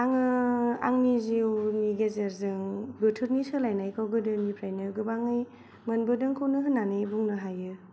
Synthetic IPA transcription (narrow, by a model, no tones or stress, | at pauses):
aŋɯa̰ŋniziwniɡezeɾzɯŋbɯtʰɯɾnisɯlajnajkʰawɡɯdɯnipʰɾajnɯɡɯbaŋɯj | mɯnbɯdɯŋkʰɯwnɯɦɯnːanɯjbuŋnɯɦajɯ